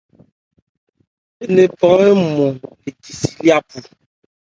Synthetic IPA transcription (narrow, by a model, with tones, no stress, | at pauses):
e˦ne˨pɔ̃˨˦ɛ˦mɔ˨ | e˨ki˨si̥˦li˦a˦pu˨